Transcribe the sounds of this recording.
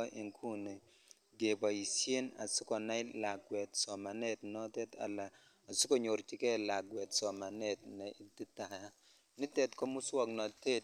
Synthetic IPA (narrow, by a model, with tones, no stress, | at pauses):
ʔi˨ŋkʰu˦ne˨ | ɡe˨ba˨i˨sje˦na̰˨sʊ˦kɔ˨na˦ɪ˦la˨ɡwɛ˨tsɔ˨ma˨ne˦tnɔ˦tɛ˦ta̰˨laː˨ | sʊ˦ko˦˨ɲo˨ɾt͡ʃi˨kɛ˦˨la˨ɡwɛ˨tsɔ˨ma˨ne˦tnɛ˨ʔi˦ti˦ta˨ja˦ | nɪ˦tɛ˨tkɔ˦mʊ˦swɔ˦˨knɔ˨te˦t